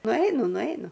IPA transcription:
nʊˈɐɪnʊ nʊˈɐɪnʊ

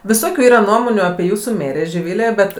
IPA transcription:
ʋʲɪˈsoːkʲʊ ˈiːrɐ ˈnuɔmoːnʲuː ɐpʲiɛ ˈjuːsʊ ˈmʲeːrʲeː ʒʲɪˈʋʲɪlʲeː ˈbʲɛt

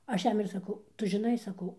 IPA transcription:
ˈɐʃ ˈjɛm ɪr sɐˈkɐʊ ˈtʊ ʒʲɪˈnɐɪ sɐˈkɐʊ

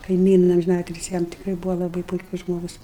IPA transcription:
kɐɪˈmʲiːnɐ ɐmʲʒʲɪˈnɑːtʲɪlʲsʲɪ ˈjɛm tʲɪkˈrɐɪ ˈbuːʋoː lˠɐˈbɐɪ pʊɪˈkʊs ˈʒmoːɡʊs

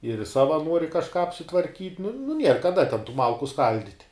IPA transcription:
ɪr ˈsɑːʋɐ ˈnuɔrʲɪ kɐʃˈkɑː ɐpʲsʲɪtʋɐrʲˈkʲiːtʲ nʊ nʊ ˈnʲiɛr kɐˈdɐ tʲɛn tuː ˈmɐlˠkʊ ˈskɐlʲdʲɪtʲ

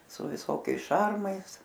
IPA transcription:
sʊ ʋʲɪˈsoːkʲɛɪs ˈʃɐrmɐɪs

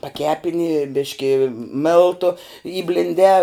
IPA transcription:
pɐˈkʲæːpʲɪnʲɪ ˈbʲɪʃʲkʲɪ ˈmʲeːlˠtʊ iːbʲlʲɪnʲˈdʲɛː

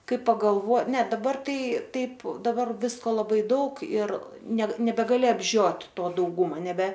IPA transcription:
ˈkɐɪ pɐɡɐlˠˈʋoː nʲɛ dɐˈbɐr ˈtɐɪ ˈtɐɪp dɐˈbɐr ˈʋʲɪskoː lˠɐˈbɐɪ ˈdɐʊk ɪr ˈnʲɛt nʲɛbʲɛɡɐˈlʲɪ ɐbʲˈʒʲoːtʲ ˈtoː dɐʊˈɡuːmɐ nʲɛbʲɛ

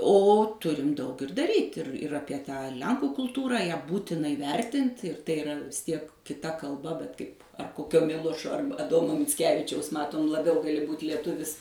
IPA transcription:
oː ˈtʊrʲɪm ˈdɐʊk ɪr dɐˈrʲiːtʲ ɪr ɪr ˈɑːpʲiɛ ˈtɑː ˈlʲɛŋkuː kʊlˠˈtuːrɑː ˈjæː ˈbuːtʲɪnɐ ɪˈʋʲɛrʲtʲɪnt ɪr tɐɪ ɪˈrɐ ʋʲɪs ˈtʲiɛk kʲɪˈtɐ kɐlˠˈbɐ bʲɛt ˈkɐɪp ˈkoːkʲoː ˈmʲɪlˠoːʃoː ˈɐrbɐ ɐˈdoːmoː mʲɪt͡sʲˈkʲæːʋʲɪt͡ʃʲɛʊs ˈmɑːtoːm lˠɐˈbʲɛʊ ɡɐˈlʲɪ buːt lʲiɛˈtʊʋʲɪs

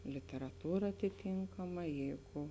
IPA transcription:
lʲɪtʲɛrɐˈtuːrɐ ɐtʲɪˈtʲiːŋkɐmɐ ˈjɛɪɡʊ

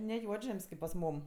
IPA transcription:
nʲɛ ˈjuɔd͡ʒʲɛmʲsʲ kʲeːp pɐs ˈmuːm

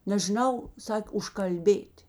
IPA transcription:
nʲɛʒʲɪˈnɐʊ ˈsɑːkʲeː ʊʃkɐlʲˈbʲeːtʲ

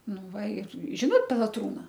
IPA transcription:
ˈnʊ ˈʋɐ ˈɪr ˈʒʲɪnoːt pʲɛlˠɐˈtruːnɐ

